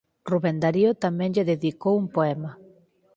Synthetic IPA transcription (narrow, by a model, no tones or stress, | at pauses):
ruβend̪aɾiot̪amɛ̃ŋʎeðeðikowumpoɛma